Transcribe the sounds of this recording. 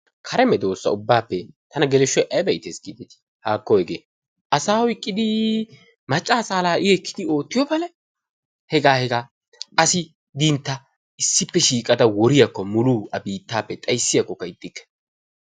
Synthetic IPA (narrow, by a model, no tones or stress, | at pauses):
kʰɐɾɛmɛd̪o̞ːsːɐ̰ʊbːaːpːɛt̪ɐnɐɡɛlɛʃːɔjʔɐjbɐjt̪ḛsɡɪb̪ɪt̪ɪ̥ | haːkːɔhɛɡḛː | ʔɐsaːhʊjkʼːɪd̪ɪ | mɐt͡ʃʼːaːsaːlaːʔɪɛkːɪd̪ɪo̞ːt̪ːɪjɔbɐlɛ | hɛɡaːhɛɡaː | ɐsɪ | d̪int̪ːɐ | ɪsːɪpːɛʃiːkʼɐd̪ɐwɔɾɪjɐkːɔmʊluːɐbiːt̪ːaːpːɛt̪ʼɐjsːɪjɐkːɔkːɐɪd̪ʼːɪkːɛ̥